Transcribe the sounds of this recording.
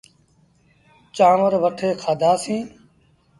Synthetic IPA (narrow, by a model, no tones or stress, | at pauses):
t͡ʃãːʋəɾʋəʈʰeːkʰaːd̪ʱaːsĩː